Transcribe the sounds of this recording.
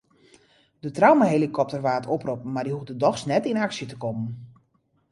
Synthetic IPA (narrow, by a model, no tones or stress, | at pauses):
dətrawmaɦelikʰɔp̚tərʋaːtʰoprup̩mardiɦufdədɔxsnɛtinaksjətəkɔmən